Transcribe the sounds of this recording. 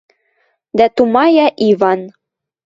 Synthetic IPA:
d̪æt̪umɑjɑʔivɑn

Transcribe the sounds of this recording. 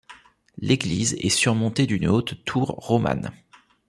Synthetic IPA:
lʔeɡlizɛ̰syʁmɔ̃t̪ed̪ynot̪ːʰuʁːoma̰n

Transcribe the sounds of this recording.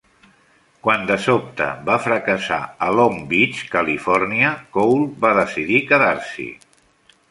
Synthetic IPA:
kwand̪əsop̚t̪ə̰βafɾəkəsa̰əlombit͡ʃkəlifɔrniəkowlˠβaðəsiðikəðaɾsḭ

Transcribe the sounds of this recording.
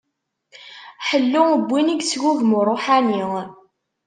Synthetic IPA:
ħəlːʊəbʷːiniɡsʝuvmrˤːoħaniŋ

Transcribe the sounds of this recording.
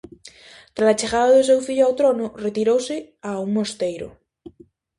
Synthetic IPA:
t̪ɾasat͡ʃeɣaðaðos̬ewfiʎoawt̪ɾonoret̪iɾowse | auŋmost̪ejɾo̰

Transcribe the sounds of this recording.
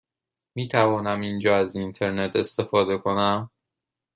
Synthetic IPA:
miːt̪ʰævɒːnæmind͡ʒɒːæzint̪ʰe̞ɾne̞t̪ʰe̞st̪e̞fɒːd̪e̞kʰo̞næm

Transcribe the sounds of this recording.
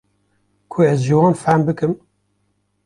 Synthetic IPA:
kʰoɛzʒɨwɑːnfæmbɨkɨm

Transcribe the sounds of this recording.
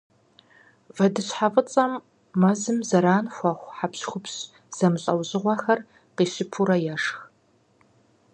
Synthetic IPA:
vɐdɨɕħafʼət͡sʼɐmː | ɐzɨmzɐɾaːnxʷɐχʷħapɕxʷʊpɕ | z̥ɐmɨɕʼɐwʑɨʁʷɐxɐr | qiːɕɪpʰuɾɐjɛʂx

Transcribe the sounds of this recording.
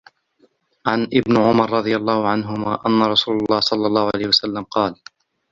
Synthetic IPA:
ʕanʔɪbnʕʊmɑɾˤɾˤɑd̪ˤɨjalˤːɑːhʊʕanɦʊmaːʔanːaɾˤɑsuːlɑlˤːɑːhsˤɑlːɑlˤːɑːhʊʕalajhʊwasalːamqɑːl

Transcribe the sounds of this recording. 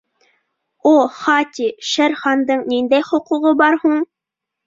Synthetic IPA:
uχɑt̪iʃæɾχɑnd̪ɤɴnind̪æjχŏquʁɤbɑɾhuɴ

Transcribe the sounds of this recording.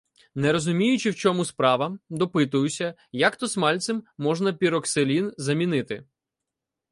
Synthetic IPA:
nɛɾɔzʊmʲijʊt͡ʃɪwt͡ʃɔmuspɾɑʋɐd̪ɔpɪt̪ʊjʊsʲɐ | jakt̪ɔsmɑlʲt̪sɪmːɔʒnɐpʲiɾɔkselʲinzɐmʲinɪt̪ɪ

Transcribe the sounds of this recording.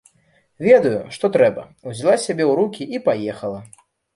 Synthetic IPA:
vʲɛd̪ɐjuʂt̪ɔt̪ɾɛbɐ̰ | uzʲlˠasʲabʲɛwɾukʲiʔipajɛxɐlˠɐ

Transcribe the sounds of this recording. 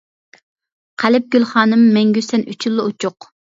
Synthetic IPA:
qʰælɪp̚ɡ̥ʲylˠχɑːnɨmːɛŋɡʲysɛnyt͡ʃʰylˠːɨot͡ʃʰʊq

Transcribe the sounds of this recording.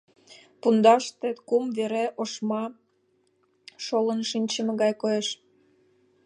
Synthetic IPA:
pund̪ɑʃt̪et̪kumveɾeʔoʃmɑ | ʃolənʃinʲt͡ɕəmĕɣɑjkojeʃ

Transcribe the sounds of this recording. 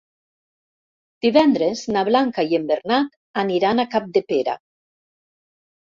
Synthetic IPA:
d̪̥iβɛnd̪ɾeznaβlaŋkaiembeɾnat̪ | aniɾanakap̚d̪epeɾa̰

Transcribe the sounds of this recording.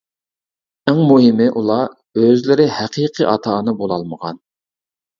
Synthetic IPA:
æŋmuɦɪmɪʔulˠɑ | øzlɪɾɪhæqʰiqʰiʔɑt̪ʰɑːnɨbolˠɑlˠməʁɑ̰n

